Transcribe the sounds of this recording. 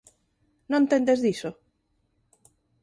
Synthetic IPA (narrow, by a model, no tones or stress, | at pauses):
nõnt̪end̪ezðiso